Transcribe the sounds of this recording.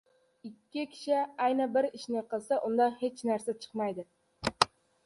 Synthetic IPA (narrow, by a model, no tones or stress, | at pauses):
ɪkʲʰːɪkʲʰɪ̥ʃɪajnabɪɾɪʃnɪqɨlˠsaʔʊnd̪ahe̞t͡ʃnaɾsat͡ʃʰɨ̥qmajd̪ɪ